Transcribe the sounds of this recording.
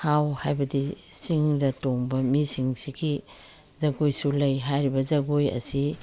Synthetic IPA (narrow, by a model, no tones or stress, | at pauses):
hawhajbɐdisiŋdɐtoŋbɐmisiŋsiɡi | zɐɡojsulɐjɦajɾibɐzɐɡojɐ̰si